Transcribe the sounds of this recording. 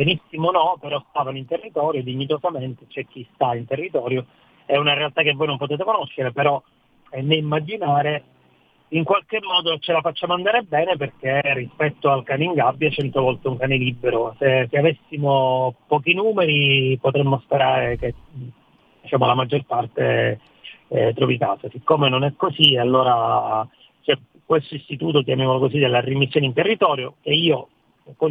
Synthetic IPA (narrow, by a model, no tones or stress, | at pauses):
benisːimonɔpeɾɔst̪aːvanint̪erːit̪ɔːɾjod̪iɲːit̪ozament̪et͡ʃɛk̟ːist̪aint̪erːit̪ɔːɾjo | ɛunaɾealt̪ak̟ːevoːjnõmpot̪eːt̪ekonoʃːeɾepeɾɔ | ɛnːeimːad͡ʒinaːɾe | iŋkwalkemːɔːd̪ot͡ʃelafat͡ʃːaːmoand̪aːɾebɛːneperk̟erːispɛt̪ːoalkaːneiŋɡabːjat͡ʃɛnt̪ovɔlt̪euŋkaːnelibːeɾoseseavesːimopɔːk̟inuːmeɾipot̪ɾɛmːospeɾaːɾek̟e | d̪it͡ʃaːmoalamad͡ʒːorpart̪e | t̪ɾɔvika̰ːsasikːomenonɛkːosialːoːɾa | se | kwest̪oist̪it̪uːt̪̬ok̪jamjamolokosid̪elːarimisːjoːneint̪erːit̪ɔːɾjokeiːo | kɔ